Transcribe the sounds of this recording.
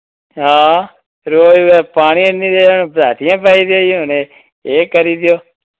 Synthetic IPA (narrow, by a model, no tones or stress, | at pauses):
ɦãː | ɾoːʋepaːɽ̃ienːid̪eonebɾaːt̪ijãːpaːid̪joːjũːəne | ekəɾid̪joː